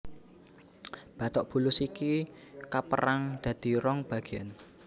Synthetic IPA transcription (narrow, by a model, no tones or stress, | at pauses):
b̥a̤t̪ɔʔb̥ṳlʊsikikapəɾaŋd̪̥ä̤d̪̥i̤ɾɔŋb̥a̤ɡ̥ian